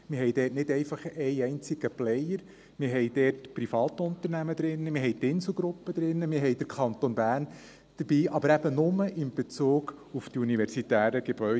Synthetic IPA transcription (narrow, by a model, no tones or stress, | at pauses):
mɪɾɦɛjdɛːtnɪdɛɪfɑχɛɪɛɪnt͡sɪɡ̥əplɛjəɾ | mɪɾɦɛjd̥ɛːtpɾifɑːtʊnt̪əɾnæməd̪ɾɪnːəmɪɦɛɪtɪnsl̩ˠɡɾʊpːəd̥̪ɾɪnːəmɪɾɦɛɪd̥əɾkʰɑnt̪onbæːɾn | d̥əɾb̥iːʔɑbəɾæb̥ənʊməʔɪmb̥et͡suːɡ̥uftiuniʋɛɾsitæːɾəɡ̥eb̥œ